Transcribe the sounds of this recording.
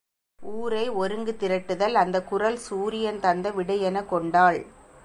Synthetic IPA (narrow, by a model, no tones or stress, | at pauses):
uːɾɐɪɔɾɯŋɡɯt̪ɪɾɐʈːɯðɐlɐnd̪ɐkʊrɐlsuːɾɪjɐnt̪ɐnd̪ɐʋɪɽɐjɛnɐkɔɳɖaːɭ